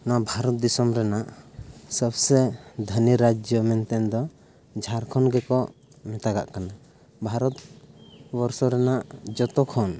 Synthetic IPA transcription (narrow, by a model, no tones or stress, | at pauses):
nabʱaɾɔt̪̚d̪isɔmɾɛnaʔsəbsɛd̪ʱəniɾad͡ʒjɔmɛnt̪ɛnd̪ɔ | d͡ʒʱaɾkʰɔnɡɛkɔ | mɛt̪aɡa̰ʔkana | bʱaɾɔt̪ | bɔɾsɔɾɛnaʔd͡ʒɔt̪ɔkʰɔn